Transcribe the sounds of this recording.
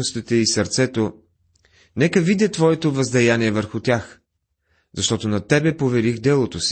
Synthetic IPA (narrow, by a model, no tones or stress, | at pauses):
ost̪it̪ɛisɐɾt̪sɛt̪o | nɛkəvid̪ʲɛt̪vɔɛt̪ovɐzd̪ɛjaniɛvəɾxʊt̪ʲax | zɐʃt̪ɔt̪onɐt̪ɛbɛpovɛɾixd̪ɛlˠot̪osi̥